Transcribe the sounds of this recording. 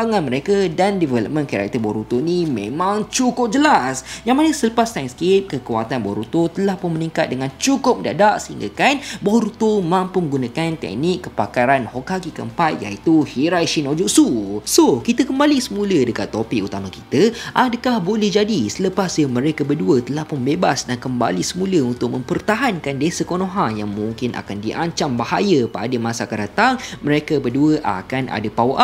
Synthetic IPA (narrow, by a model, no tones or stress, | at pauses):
aŋanmə̃ɾekədandivɛləp̚mə̃nkaɾa̰k̚t̪əbɔɾut̪onimḛ̃mãŋt͡ʃukʊp̚d͡ʒəlasjaŋmanəsələpast̪anskep̚kəkuwa̰t̪anbɔɾut̪ot̪əlahpʊnmənĩŋkat̪̚dəŋant͡ʃukʊp̚əda̰daʔsəhiŋɡa̰kanbɔɾut̪omãmpumə̃ŋɡunakant̪ɛ̰k̚nikːəpakaɾanhɔkakikə̰əmpat̪̚ja̰it̪uhiɾajʃinod͡ʒɔʔsusokit̪əkəmbalisəmũlədəkat̪ːopɪkut̪amakit̪əʔadəkahbolɛhd͡ʒadisələpasjəmə̃ɾekəbərduət̪əlahpʊmbebasdankəmba̰lisəmũləunt̪ʊk̚mə̃mpərt̪aɦankandesəkonõɦajaŋmuŋkɪnʔa̰kandiʔaɲt͡ʃambaha̰jəpa̰dəmasakədat̪aŋmə̃ɾekəbəduəʔa̰kanʔa̰dapawʔa